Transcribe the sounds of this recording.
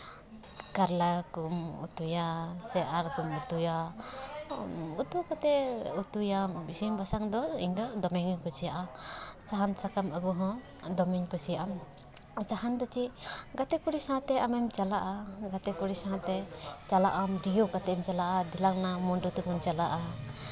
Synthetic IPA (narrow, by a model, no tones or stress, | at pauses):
kaɾlakumṵt̪ujasɛʔaɾkumut̪uja | ut̪ukat̪ɛut̪ujambisimbasaŋd̪ɔḭɲd̪ɔd̪ɔmɛŋkusijaʔasaɦansakaməɡuɦɔ̃ | d̪ɔmɛɲkusijaʔam | saɦand̪ɔt͡ʃiɡat̪ɛkuɽisaɦãt̪ɛamɛmt͡ʃalaʔaɡat̪ɛkuɽisaɦãt̪ɛt͡ʃalaʔamɾijukat̪ɛʔɛmt͡ʃalaʔad̪ilaŋnamuɳɖut̪ukɔnt͡ʃalaʔa